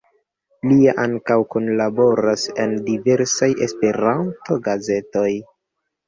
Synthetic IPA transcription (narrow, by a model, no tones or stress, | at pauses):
liaʔaŋkawkonlabo̞ɾase̞ndive̞ɾsaje̞spe̞ɾanto̞ɡaze̞to̞j